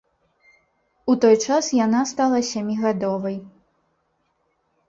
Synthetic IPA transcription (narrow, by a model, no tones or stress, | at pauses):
ut̪ɔjt͡ʂasjanast̪alˠɐsʲamʲiɣad̪ɔvɐj